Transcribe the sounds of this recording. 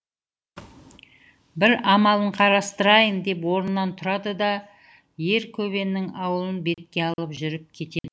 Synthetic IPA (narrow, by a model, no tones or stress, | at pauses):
bɪɾɑmɑlˠəɴqʰɑɾɑst̪əɾɑjənd̪e̞pwo̞ɾənːɑnt̪ʰʊɾɑd̪əd̪ɑ | je̞ɾkʲʰɵβe̞nːɪŋɑwəlˠənbe̞t̪̚kʲe̞ɑlˠəpʒʏɾɪp̚kʲʰe̞t̪e̞d̪ɪ